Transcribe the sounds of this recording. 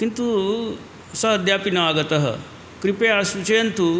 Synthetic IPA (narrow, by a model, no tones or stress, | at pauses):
kint̪u | səəd̪japinɐʋaɡət̪ɐɦə̰ | kɾipeasut͡ɕejənt̪ʰu